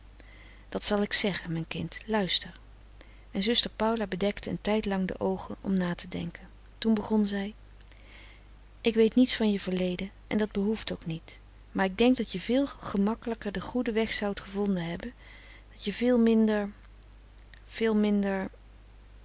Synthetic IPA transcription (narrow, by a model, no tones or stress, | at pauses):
d̥ɑtsɑlˠɪksɛχənmɛjnkɪntlœɥstəɹ | mɛnzɵstəɹpʌwlaːbədɛktəə̰ntɛjtlɑŋdə̰ʔowχənɔ̰mnaːtədɛ̰ŋkən | tunbəχɔnzɛj | ʔɪkʋejtnitsfɑnjəvəɹlejdən | ʔɛ̰ndɑd̚bəɦuftowknit | maːɹɪɡ̚dɛŋk̚dɑtjəvɪːlˠχəmɑkələkəɹdəχudəʋɛχsɑwtχəvɔndənɦɛbən | d̥ɑtjəvɪːlˠmɪndəɹ | v̥ɪːlˠmɪndəɹ